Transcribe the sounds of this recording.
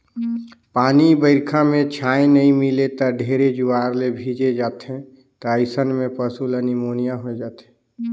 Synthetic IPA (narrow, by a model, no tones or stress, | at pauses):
paːnibəɪɾkʰamẽt͡ʃʰaːẽnəĩmilet̪əɖʱeːɾed͡ʒuaːɾlebʱiːd͡ʒed͡ʒaːt̪ɦẽ | t̪əəɪsənmẽpəsulənimoːnijaɦoed͡ʒaːt̪ɦẽ